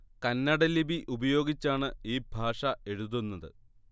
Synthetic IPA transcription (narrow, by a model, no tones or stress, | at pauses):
kɐnːɐɽɐlibiʔubɐjo̞ːɡit͡ɕːaːɳɨiːbʱaːʂɐe̞ɻuðunːɐðɨ̰